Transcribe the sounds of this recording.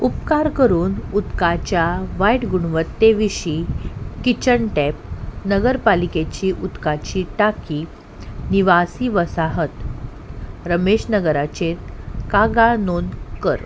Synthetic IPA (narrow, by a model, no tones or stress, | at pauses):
upkaɾkəɾuːnut̪kat͡ɕjaʋajʈɡuɳ̃ʋət̪ːeʋiɕiːkit͡ɕəɳʈɛp̚nəɡəɾpaliket͡ɕiːʔut̪kat͡ɕiːʈakiː | niʋasiːʋəsaɦət̪ | ɾəmeɕnəɡəɾat͡ɕet̪̚kaɡanonkəɾ